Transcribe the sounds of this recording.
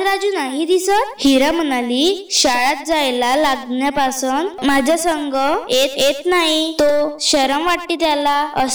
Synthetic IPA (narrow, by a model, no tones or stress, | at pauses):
ɾad͡ʑuːnaɦid̪isət̪̚hiɾam̤ənaliːɕaɭat̪̚d͡zajlalaɡɳjapasənt̪mad͡ʑʱasəŋɡʱəjet̪jet̪naɦit̪oɕəɾəmʋaʈːiːt̪jalaəs